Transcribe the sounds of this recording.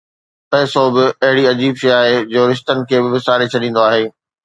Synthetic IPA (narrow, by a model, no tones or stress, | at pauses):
pɐːɪsobɪɐɦɪɽiɐd͡ʑiːbʃɐjaːɦed͡ʑoːɾɪʃ̬t̪ənɪ̆kʰeːbɪʋɪsaːɾet͡ɕʰɐɗĩːn̆d̪oaːɦeː